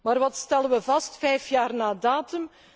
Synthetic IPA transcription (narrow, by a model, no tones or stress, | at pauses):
maːrʋɑtstɛlənʋəvɑstfɛjfjaːrnaːdaːtɵm